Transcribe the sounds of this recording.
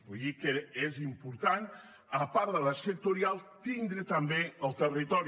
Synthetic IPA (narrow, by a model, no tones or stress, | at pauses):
bujðikəezimpuɾt̪an | əpaɾðələsək̚t̪uɾialˠt̪ind̪ɾət̪əmbeəlˠt̪ərit̪ɔɾ